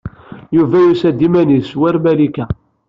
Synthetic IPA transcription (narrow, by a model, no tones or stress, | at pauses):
juvæjusæd̪ːimæniswæɾmælikæ